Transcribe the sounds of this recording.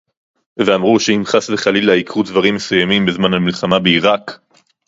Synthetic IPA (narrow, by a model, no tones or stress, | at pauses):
veamʁuʃeimχasleχalilaikʁudvaʁimːesujamimbezmanhalmilχamabeiʁak